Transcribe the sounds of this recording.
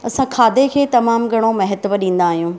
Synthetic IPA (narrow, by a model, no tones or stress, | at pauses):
ɐsãkʰaːd̪ekʰeːt̪ɐmaːmɡʱɐɽ̃omɐɦɪt̪ʋəɗĩːn̆d̪aːɦijũː